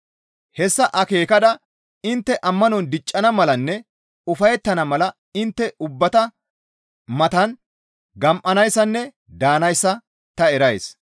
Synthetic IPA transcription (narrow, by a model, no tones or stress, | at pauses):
hɛsːɐʔɐke̞ːkɐd̪ɐ | ɪnt̪ːɛʔɐmːɐnɔnd̪ɪt͡ʃʼːɐnɐmɐlɐnːɛ | ʊfɐjɛt̪ːɐnɐmɐlɐ | ɪnt̪ːɛʊbːɐt̪ɐ | mɐt̪ɐn | ɡɐmʔɐnɐjsːɐnːɛ | d̪aːnɐjsːɐ | t̪ɐɛɾɐjs